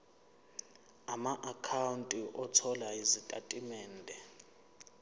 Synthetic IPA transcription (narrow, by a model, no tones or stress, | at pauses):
amaʔakʰawuntʼiʔɔtʰɔlaizitʼatʼimɛːndʱɛ